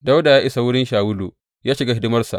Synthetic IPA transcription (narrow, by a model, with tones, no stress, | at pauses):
da˦wda˨jaː˦ʔɪ˦sa˨wʊ˦ɽɪ˦nʃaː˨wʊ˦lu˨ | jaː˦ʃɪ˨ɡa˦ɦɪ˦dɪ˦mɐ˦rsa̰˨ʔ